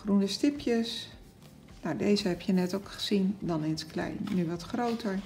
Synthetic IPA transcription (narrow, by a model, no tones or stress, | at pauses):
χrunəstɪpjəs | nawdejzəɦɛpjənɛtowkχə̥z̥indɑnɪnətklɛ̰jnːyʋɑtχrowtəɹ